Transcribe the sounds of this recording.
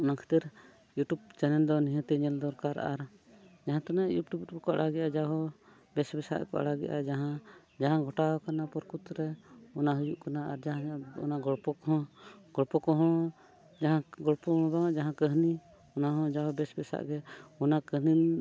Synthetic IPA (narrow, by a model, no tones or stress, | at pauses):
ɔnakʰɛ̥t̪əɾ | juʈub̚t͡ʃɛnɛld̪ɔniɦə̃t̪ɛɲɛld̪ɔɾkaɾʔa̰ɾd͡ʒaɦãt̪anaʔjṵʈubtkɔʔa̰ɽaɡɛʔad͡ʒaɦɔ | bɛsbɛsa̰ʔɛ̰kɔ̰ʔa̰ɽaɡɛ̰ʔa̰d͡ʒaɦã | d͡ʒaɦãɡʱɔʈaɔkanapɔɾkut̪ɾɛɔnaɦujuʔkanaaɾd͡ʒaɦãɔ̰naɡɔɽpɔkɔ̃ɡɔɽpɔkɔɦɔɽ̃ɔ̃ | d͡ʒaɦãɡɔɽpɔɦɔ̃ɔbaaʔd͡ʒaɦãkəɦni | ɔnaɦɔ̃d͡ʒaɦɔbɛsbɛsa̰ʔɡɛɔnakəɦnin